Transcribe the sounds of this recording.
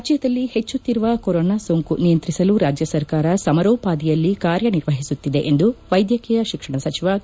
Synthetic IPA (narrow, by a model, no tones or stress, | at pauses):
ɐd͡ʒjɐd̪ɐlːihe̞t͡ʃːut̪ːiɾuʋɐkoɾoːnaːsoːŋkunijɐnt̪ɾisɐluɾaːd͡ʒjɐsɐɾkaːɾɐsɐmɐɾoːpaːd̪ijɐlːikaːɾjɐniɾʋɐɦisut̪ːid̪e̞ʔend̪uʋɐjd̪jɐkiːjɐʃikʂɐɳɐsɐt͡ʃiʋɐ